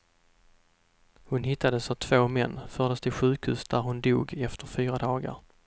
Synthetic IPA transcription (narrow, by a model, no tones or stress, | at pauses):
hʊnhɪt̪ːad̪əsavt̪ʰvoːmɛnːfœːɖəst̪ʰɪlɧʉ̟ːkhʉːsd̪æɾhʊnd̪ṵːɡɛft̪ʰəɾfyːɾad̪ɑːɡə̰ɾ